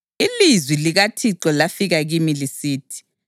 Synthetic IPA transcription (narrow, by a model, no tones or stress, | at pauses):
ilizwiliɣatʰiǀɔlafiɣaɣimilisiːtʰi̥